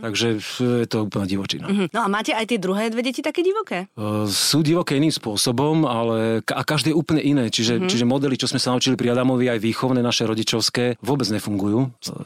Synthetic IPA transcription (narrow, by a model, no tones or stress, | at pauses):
t̪aɡʒɛjɛt̪ɔuːpl̩ɲaɟiʋɔt͡ʃḭna̰nɔamaːcɛajt̪ɪɛd̪ɾuɦɛːd̪ʋɛɟɛcit̪akɛːɟiʋɔkɛːsuːɟiʋɔkɛːiniːmspʊɔsɔbɔmalɛakaʒd̪ɛːjɛuːplɲɛʔinɛːt͡ʃiʒɛt͡ʃiʒɛmɔd̪ɛlit͡ʃɔzmɛsanaut͡ʃilipɾiad̪amɔʋiajʋiːxɔʊnɛːnaʃɛɾɔɟit͡ʃɔʊskɛːʋʊɔbɛd͡zɲɛfuŋɡujuː